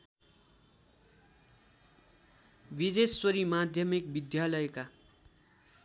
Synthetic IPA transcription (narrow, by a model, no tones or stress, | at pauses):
bid̪esʌɾimad̪ʱjʌmik̚bid̪jalʌjka